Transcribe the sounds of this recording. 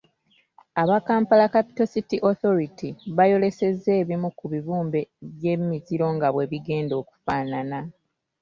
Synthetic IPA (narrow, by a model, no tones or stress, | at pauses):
aβakaːmpalakapi̥to̞sitiʔoθo̞ɾitiβajo̞le̞se̞ze̞ːβimukuβiβuːmbe̞βje̞mːiziɾo̞ŋɡaβwe̞βiɡe̞ːndo̞ːku̥faːnana